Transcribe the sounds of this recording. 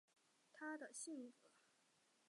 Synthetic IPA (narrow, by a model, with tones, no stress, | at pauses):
t̪ʰa˥d̪ə˨ɕi˥˩ŋkɤ˨˧˩